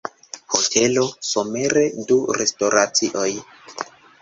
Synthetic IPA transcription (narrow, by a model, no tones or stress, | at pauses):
hotʰe̞lo̞some̞ɾe̞duɾe̞sto̞ɾat͡siʔo̞j